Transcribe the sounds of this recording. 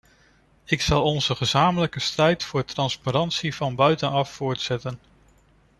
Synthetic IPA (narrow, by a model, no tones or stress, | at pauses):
ɪksɑlˠɔnzəχəzaːmələkəstrɛjtfʊːtrɑnspaɾɑntsivɑnbœɥtənɑfːʊːɹtsɛtən